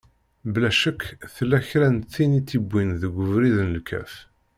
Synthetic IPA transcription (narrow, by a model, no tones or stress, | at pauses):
blæʃəkːθəlːæçɾænθːinit̪ːibʷːinðəɡʷəvɾiðnəlkʰæ̰f